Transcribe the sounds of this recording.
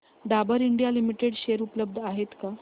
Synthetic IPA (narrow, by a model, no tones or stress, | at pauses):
d̪abəɾiɳɖijalimiʈeɽɕeɾupləb̚d̪ʱaɦet̪ka